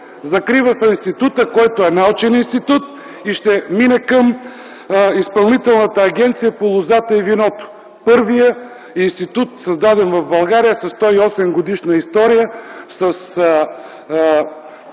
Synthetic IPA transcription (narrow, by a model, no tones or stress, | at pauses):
zɐkɾivəsɐinst̪it̪ut̪əkɔjt̪oɛnaɔt͡ʃɛninst̪it̪ut̪ | iʃt̪ɛminɛkəm | ispɐlˠnit̪ɛlˠnət̪əːɡɛnt̪sijəpolˠʊzat̪əivinɔt̪o̥ | pɤɾvijə | inst̪it̪ut̪sɐzd̪ad̪ɛnvɐvbɐlˠɡaɾijəsɐst̪ɔiɔsɛmɡod̪iʃnəist̪ɔɾijəsəs